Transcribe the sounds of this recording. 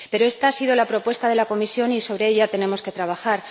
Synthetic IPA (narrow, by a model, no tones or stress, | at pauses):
pe̞ɾoe̞st̪aasiðo̞lapɾo̞pwe̞st̪að̞e̞lako̞misjo̞niso̞β̞ɾe̞eʎat̪e̞nẽ̞mo̞ske̞t̪ɾaβaxaɾ